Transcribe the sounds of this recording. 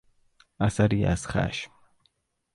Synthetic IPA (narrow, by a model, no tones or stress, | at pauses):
asaɾia̰sχa̰ʃm